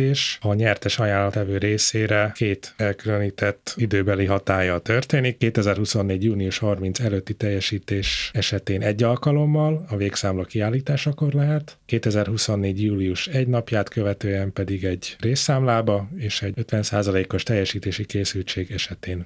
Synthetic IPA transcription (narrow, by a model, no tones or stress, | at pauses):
eːʃɒɲɛrt̪ɛʃɒjaːlːɒt̪ɛvøːɾeːseːɾɛkeːt̪ɛlkyløniːt̪ɛt̪ːid̪øːbɛliɦɒt̪aːjɒlt̪ørt̪eːnikːeːt̪ɛzɛrhuso̞nːeːɟjuːniuʃhɒrmint̪sɛløːt̪ːit̪ɛjːɛʃiːt̪eːʃɛʃɛt̪eːnʔɛɟːɒlkɒlo̞mːɒlɒveːksaːmlɒkiaːlːiːt̪aːʃɒko̞rlɛɦɛt̪keːt̪ɛzɛrɦuso̞nːeːɟjuːliuʃɛɟnɒpjaːt̪kø̞vɛt̪øːɛmpɛd̪iɡɛɟreːsːaːmlaːbɒeːʃɛɟøt̪ʋɛnsa̰ːzɒleːko̞ʃt̪ɛjːɛʃiːt̪eːʃikeːsylt͡ʃeːɡɛʃɛt̪eːn